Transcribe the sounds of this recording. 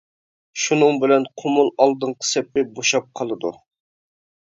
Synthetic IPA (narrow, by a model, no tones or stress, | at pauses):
ʃunɨŋbɪlɛnqʰʊmulˠɑlˠd̪ɨɴqʰə̥sɛpːɪboʃɑp̚qʰɑlˠɨd̪u